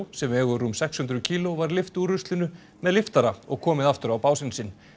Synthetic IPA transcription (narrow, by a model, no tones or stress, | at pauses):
sɛmɛːɣʏrumsɛkshʏnt̪ɾʏcʰiːlovaɾlɪft̪uɾʏst̪lɪnʏ | mɛðlɪft̪aɾaɔ̰ɣkʰɔːmɪðaft̪ʏɾawpaːwsɪnsɪn